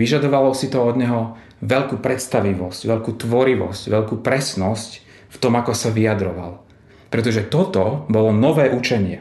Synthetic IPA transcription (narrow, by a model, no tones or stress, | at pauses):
ʋiʒad̪ɔʋalɔsit̪ɔɔd̪ɲɛɦɔ | ʋɛʎkuːpɾɛt̪st̪aʋiʋɔscʋɛʎkuːt̪ʋɔɾiʋɔ̰scʋɛʎkuːpɾɛsnɔsc | ft̪ɔmakɔsaʋiad̪ɾɔʋa̰l | pɾɛt̪ɔʒɛt̪ɔt̪ɔbɔlɔnɔʋɛːʔut͡ʃɛɲɪɛ̰